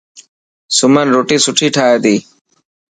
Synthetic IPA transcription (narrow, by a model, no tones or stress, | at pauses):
sʊmənɾoːʈiːsʊʈʰiːʈʰaːeːd̪iː